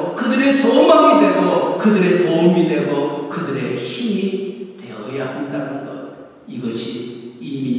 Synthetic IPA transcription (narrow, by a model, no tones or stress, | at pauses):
kɯdɯɾesomamidwe̞ɡokɯdɯɾetomidweɡokɯdɯɾeçimiteʌjahandanɯnɡʌ̰ | iɡʌɕʰiimi